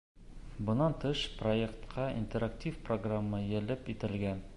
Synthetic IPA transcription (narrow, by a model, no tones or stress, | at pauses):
bɤ̆nɑnt̪ɤʃproekt̪qʰɑḭnt̪eɾaktʲifproɡramːɤjɘ̆lɘpit̪ɘ̆lɡæn